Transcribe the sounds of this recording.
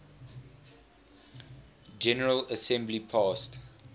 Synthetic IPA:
d͡ʒɛnəɹələsɛ̃mblipʰɑːst

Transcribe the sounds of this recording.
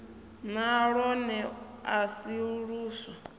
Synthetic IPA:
naɺɔnɛasiɺuːswa

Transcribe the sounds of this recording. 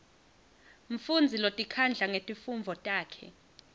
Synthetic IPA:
ɱfund͡zʱilotʼikʰand͡ɮʱaŋetʼifumvʱɔtʼaːkʰɛ̰

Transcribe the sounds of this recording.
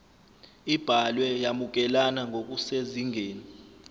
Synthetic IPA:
ib̥ʱalwɛjamuk̬ʼɛlanaŋʱok̬ʼuseziŋʱeːni

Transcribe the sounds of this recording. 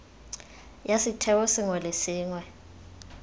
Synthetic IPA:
jasitʰɛwɔsiŋwɛlesiːŋwɛ

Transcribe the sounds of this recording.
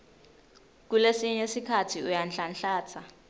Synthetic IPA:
k̬ulesiɲɛsikʰatʰiujanɬanɬaːt͡sʰa

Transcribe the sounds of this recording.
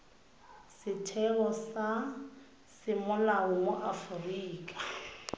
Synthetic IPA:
sɪtʰɛɣɔsa | sɪmʊlaʊŋʊʔafʊriːkʼḁ

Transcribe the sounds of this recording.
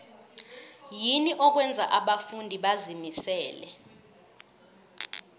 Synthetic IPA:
jiniʔɔk̬wɛnd͡zʱa̰ʔaɓafundʱiɓazimisɛːlɛ

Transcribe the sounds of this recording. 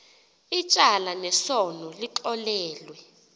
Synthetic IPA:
it͡ʃʼalanɛsɔnɔliǃɔlɛːlwɛ

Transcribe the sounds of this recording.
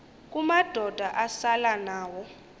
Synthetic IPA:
k̬ʼumad̥ʱɔd̥ʱaʔasalanaːwɔ

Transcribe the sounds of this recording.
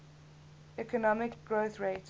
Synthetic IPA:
ɛkənɔmɪkɡ̥ɹoʊθɹeɪt

